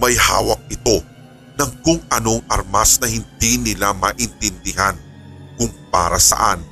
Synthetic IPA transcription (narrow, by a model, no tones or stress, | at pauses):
mɐjha̰ːwɐk̚ɪt̪o̞ | nɐŋkʊŋʔɐno̞ŋʔɐɾmasnɐhɪnd̪inɪlamɐʔɪnt̪ɪnd̪ɪɦan | kʊŋpa̰ːɾɐsɐ̰ʔan